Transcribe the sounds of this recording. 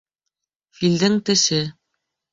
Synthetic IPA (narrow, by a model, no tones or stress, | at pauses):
fild̪ɘŋt̪ɘ̆ʃɘ